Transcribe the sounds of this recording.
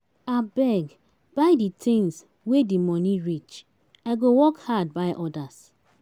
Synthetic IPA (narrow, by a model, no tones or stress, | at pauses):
abɛɡ | b̥aɪditʰẽns | wedimɔniɹit͡ʃ | aɪɡowɔkhad̚baɪʔɔdas